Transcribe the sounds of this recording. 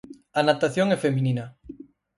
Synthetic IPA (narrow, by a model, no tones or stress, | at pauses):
anat̪aθjoŋɛfemĩnĩna